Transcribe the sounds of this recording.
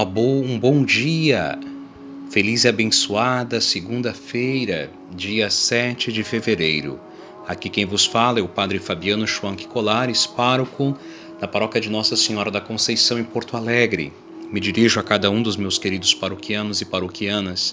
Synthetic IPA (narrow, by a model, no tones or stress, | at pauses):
ɐbowũbõw̃d͡ʒiɐ̰ | felizɪabẽsuad̪ɐseɡũd̪ɐfejɾɐ | d͡ʒiɐsɛt͡ʃɪd͡ʒɪfeveɾejɾʊ̰ | akikẽj̃vʊsfalɐɛʊpad̪ɾɪfabiɐ̃nʊʒuɐ̃w̃ki̥kolaɾɪspaɾʊkʊ̃ | nɐpaɾɔkɐd͡ʒɪnɔsɐsẽɲɔɾɐd̪ɐkõsejsɐ̃w̃ẽpoɾt̪ʊalɛɡɾɪ̰ | mɪd͡ʒiɾiʒʊakad̪ɐũd̪ʊzmewskeɾid̪ʊspaɾokiɐ̃nʊzɪpaɾokiɐ̃nɐs